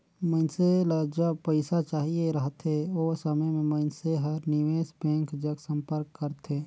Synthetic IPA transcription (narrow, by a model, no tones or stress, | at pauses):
mə̃nseləd͡ʒəbpəɪsat͡ʃaːɦieɾəɦt̪ɦeoːsəməjmẽməɪnseɦəɾnɪʋeːsbẽːŋkd͡ʒəɡsə̃mpəɾkːəɾt̪eː